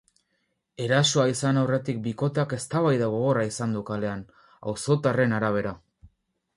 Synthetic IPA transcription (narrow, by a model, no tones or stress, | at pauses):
e̞ɾaso̞aisanawre̞t̪ik̚biko̞t̪eake̞st̪aβ̞ajðaɣo̞ɣ̞o̞raisand̪ukale̞an | a̰wso̞t̪are̞naɾaβ̞e̞ɾa